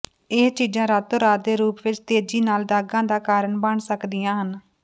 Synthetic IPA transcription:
eːst͡ʃiːd͡ʒãːɾaːt̪oːɾaːd̪eːɾuːpʋɪt͡ʃt̪eːd͡ʒiːnaːld̪aːɡãːd̪aːkaːɾəɳbəɳsəkd̪ɪjãːɦən

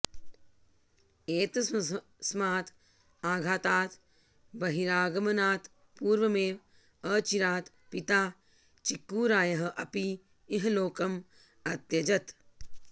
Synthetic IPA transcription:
eːt̪ɐ | smaːt̪ | aːɡʱaːt̪aːt̪ | bɐɦiɾaːɡɐmɐnaːt̪ | puːɾʋɐmeːʋ | əːt͡ʃiɾaːt̪ | pit̪aː | t͡ʃikːuːɾaːjɐɦɐʔɐpiː | ɦɐloːkɐm | ɐt̪jɐd͡ʒɐt̪

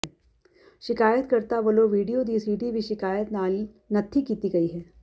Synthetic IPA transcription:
ʃɪkaːjət̪kəɾt̪aʋəloʋiːɖijod̪iːsiːɖibʱiʃɪkaːjət̪nal | nɐt̪ʰikiːt̪iɡɐiːɦɛː

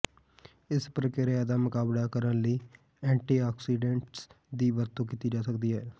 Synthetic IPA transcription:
ɪspɾəkɪɾaːd̪aːmʊkaːblaːkəɾənləiː | ɛ̃ːɳʈiːaːksiːɖẽːɳʈs | d̪iːʋəɾt̪õːkiːt̪iːd͡ʒaːsəkd̪iːɦɛː

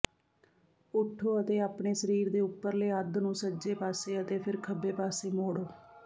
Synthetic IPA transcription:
ʊʈʰːoːət̪eːaːpɳeːsəɾiːɾd̪eːʊpːəɾleːəd̪nũːsəd͡ʒeːpaːseːət̪eːpʰɪɾkʰəbeːpaːseːmoːɽoː

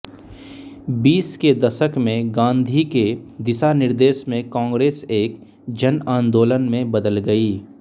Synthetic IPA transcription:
biːsked̪ɐʃəkmẽɡãːnd̪ʱiked̪ɪsanɪɾd̪eːʃmẽkãːŋɡɾeːseːk | d͡ʒənãːnd̪oːlənmẽbɐd̪əlɡɐiː

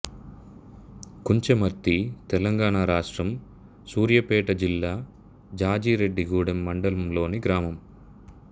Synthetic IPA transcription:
kuɲt͡ʃemɐɾt̪ːit̪ɛlɐŋɡaːɳaːɾaːʂʈɾɐm | suːɾjɐpɛːʈɐd͡ʒilːaː | d͡ʒaːd͡ʒiːɾe̞ɖːiɡuːɽɐmːɐɳɖɐlɐmlo̞ːniɡɾaːmɐm

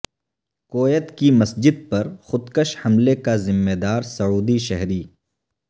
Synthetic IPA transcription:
koːjət̪kimɐsd͡ʒɪd̪̚pɐɾxʊd̪kəʃhɐmlekazɪmːeːd̪aːɾsɐuːd̪iʃɛɦɾiː

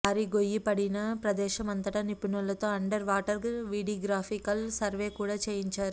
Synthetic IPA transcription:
aːɾiɡojːipɐɽinɐpɾɐd̪ɛːʃɐmɐnt̪ɐʈɐnipinɐlɐt̪o̞ːɐɳɖɐɾʋaːʈɐɾʋiːɽiɡɾaːfʰikɐlsɐɾʋeːkuːɽaːt͡ʃeːjiɲt͡ʃaːɾu

